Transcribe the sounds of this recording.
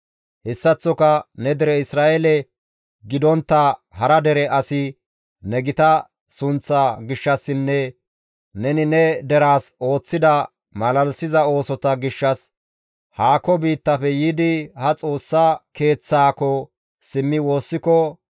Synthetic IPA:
hɛsːɐt͡sːɔkɐnɛd̪ɛɾɛɪsɾaːʔɛlɛ | ɡɪd̪ɔnt̪ːɐhɐɾɐd̪ɛɾɛʔɐsɪ | nɛɡɪt̪ɐ | sʊnt͡sːaɡɪʃːɐsːɪnːɛ | nɛnɪnɛd̪ɛɾaːso̞ːt͡sːɪd̪ɐ | mɐlɐlsɪzɐo̞ːsɔt̪ɐɡɪʃːɐs | haːkːɔbiːt̪ːɐpɛjiːd̪ɪhɐt͡sʼo̞ːsːake̞ːt͡sːaːkɔ | sɪmːɪwo̞ːsːɪkɔ

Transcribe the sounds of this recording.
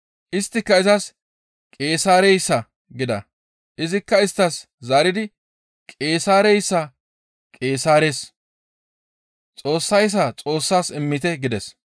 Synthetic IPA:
ʔɪst̪ːɪkːɐɪzɐs | kʼe̞ːsaːɾɛjsːɐ | ɡɪd̪ɐ̰ | ʔɪzɪkːɐɪst̪ːɐs | zaːɾɪd̪ɪ | kʼe̞ːsaːɾɛjsːɐ | kʼe̞ːsaːɾe̞ːs | t͡sʼo̞ːsːɐjs̬ːɐt͡sʼo̞ːsːaːsɪmːɪt̪ɛɡɪd̪ɛs

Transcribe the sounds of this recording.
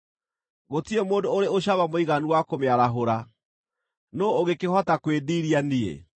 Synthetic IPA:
ɣotiemoːndooɾeoɕaβamoiɣaniwakomeaɾaɦoɾa | nooɣekehɔtakweðiːɾianiḛ

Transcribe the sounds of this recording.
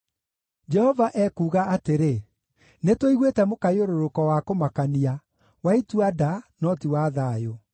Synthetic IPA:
d͡ʒɛhɔvaʔɛkuːɣaateɾe | netoiɣwetɛmokajoɾoɾokɔwakomakania | waituadanɔtiwaðaːjo

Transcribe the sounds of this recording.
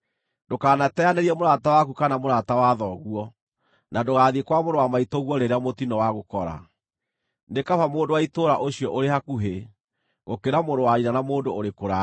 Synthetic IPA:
ndokaːnatɛanɛɾiɛmoɾatawakukanamoɾatawaðɔɣuɔ | nadoɣaːðiekwamoɾowamaitɔɣwɔɾeɾeamotinɔwaɣokɔɾa̰ | nekafamoːndowaitoɾaʔoɕiɔʔoɾehakuɦe | ɣokeɾamoɾowaɾinanamoːndooɾekoɾa

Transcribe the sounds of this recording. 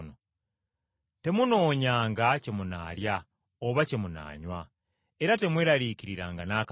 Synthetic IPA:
no | te̞muno̞ːɲaːŋɡacemuna̰ːɾja | oβacemuna̰ːɲwa | eɾate̞mwe̞ːɾaɾiciɾiɾaːŋɡanaːk

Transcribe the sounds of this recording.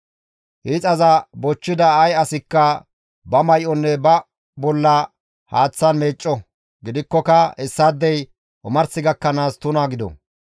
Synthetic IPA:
hit͡sʼɐzɐbɔt͡ʃːɪd̪ɐːjɐsɪkːɐ | bɐmɐjʔɔnːɛbɐ | bɔlːɐ | haːt͡sːɐnmeːt͡ʃʼːɔ | ɡɪd̪ɪkːɔkɐhɛsːaːd̪ːɛj | ʔʊmɐɾsɪɡɐkːɐnaːst̪ʊnaːɡɪd̪ɔ̰

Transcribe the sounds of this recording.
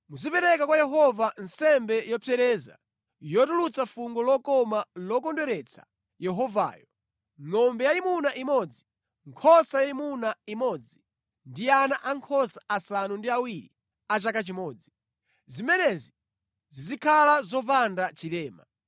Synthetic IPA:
muzipɛɾɛkakwajɛɦɔvan̩sɛmbɛjɔpʰɛɾɛːza̰ | jɔtulut͡safuŋɡɔlɔkɔmalɔkɔndɛɾɛt͡sʰḁ̰ | jɛɦɔva̰ːjɔ | ŋɔmbɛjaimunaʔimɔd͡zi | ŋkʰɔsajaimunaimɔd͡zi | ndianaʔaŋkʰɔsḁasanundiawiɾi | at͡ʃakat͡ʃimɔːd͡zi | zimɛnɛzi | zizikʰalazɔpandat͡ʃilɛːma

